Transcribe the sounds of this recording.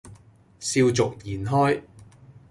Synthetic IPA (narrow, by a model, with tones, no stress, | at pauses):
siː˧wt͡sʊ˨k̚jiː˨˩nɦɔː˥j